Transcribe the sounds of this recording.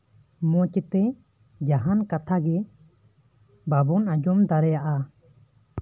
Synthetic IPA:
mɔ̃t͡ʃɛt̪ɛ | d͡ʒaɦankat̪ʰaɡɛ | babɔnad͡ʒɔmd̪aɾɛjaʔa

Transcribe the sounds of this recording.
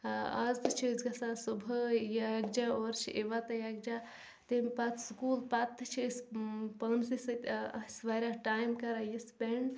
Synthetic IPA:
ɐ̰zt̪t͡ʃʰiizɡɐsasubʱəjɐɡd͡ʒaoːɾt͡ʃʰiʔeʋat̪ɐjɐɡ̚d͡ʒa | t̪empɐt̪ʰskuːlpat̪ːt͡ʃʰispənsisʲsʋaɾʲaʈaːjmkɐɾajispeɳɖ

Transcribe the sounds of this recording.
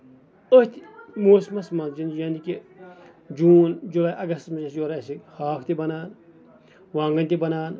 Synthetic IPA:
oht̪moːsmɐsmɐnd͡ʒinjɐːnd̪iki | d͡ʒuːnd͡ʒulaːjʔɐɡɐst̪mɐzɐsjoɾasihaːkt̪ibɐnaːn | wãːŋɡɐnt̪ibɐnaːn

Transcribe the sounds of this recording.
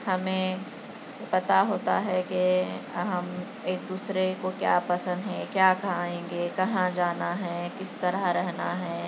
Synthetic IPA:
hɐmẽ | pɐt̪aɦoːt̪aɦɛkeɦɐm | eːk̚d̪uːsɾekokja̰ːpɐsə̃nd̪ɦɛ̃kjaːkaẽːŋɡekɐɦãd͡ʒaːnaɦɛkɪst̪ɐɾəɦɾɛɦnaɦɛː

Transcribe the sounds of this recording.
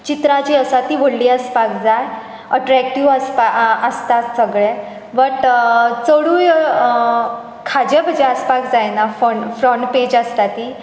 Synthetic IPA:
t͡ɕit̪ɾat͡ɕiːəsat̪iːʋəɽliːəspakd͡zaj | əʈɾɛk̚ʈiʋəspaəst̪at̪səɡɭe | ʋəʈt͡səɽuːj | kʰad͡ʑebʱəd͡ʑeəspakd͡zajnafəɳfɾɔɳʈped͡ʑəst̪at̪i

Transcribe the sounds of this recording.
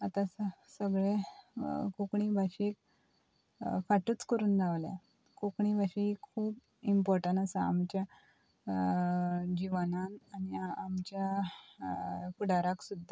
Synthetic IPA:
at̪ãssəɡɭe | kukɳibʱaɕiek | faʈuːt͡skəɾuːnd͡zaʋlja̰ | kukɳibʱaɕikʰkʰuːb | impɔɾʈə̃nasaa̰mt͡ɕja | d͡ʑiʋanananiamt͡ɕja | kuɽaɾaksud̪ʱːa

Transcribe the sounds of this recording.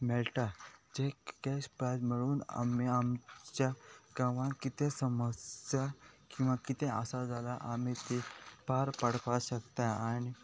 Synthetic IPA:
mɛlʈad͡ʑeɡɛɕpɾad͡ʑmiɽuːna̰miamt͡ɕaɡaʋãkit̪esəməsjakĩw̃ʋakit̪ea̰sad͡zalaʔamit̪ipaɾpəɽ̤paɕəkt̪aañi

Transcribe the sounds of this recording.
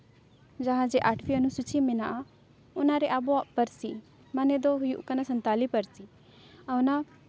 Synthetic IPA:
d͡ʒɐɦãd͡ʒeʔaʈʰfiənusut͡ʃiminaʔa | ʊnaɾeʔaboaʔpəɾsi | maned̪oɦujṵʔkɐnasɐnt̪aːlipəɾsi | ɐwna

